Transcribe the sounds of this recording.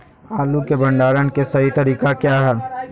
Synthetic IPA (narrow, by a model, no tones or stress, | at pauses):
aːlukebə̃ɳɖaːɾənkesɐɦit̪ɐɾiːkakjaːɦɛː